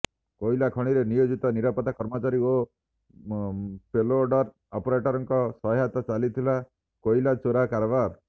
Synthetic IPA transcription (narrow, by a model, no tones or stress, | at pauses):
koilakʰɔɽ̃iɾenijod͡ʒit̪ɔniɾapɔt̪akɔɾmɔt͡ʃaɾio | peloɾɖɔɾ | ɔpɔɾeʈɔɾɔŋkɔsɔɦat̪ɔt͡ʃalit̪ʰila | koilat͡ʃoɾakaɾɔbaɾ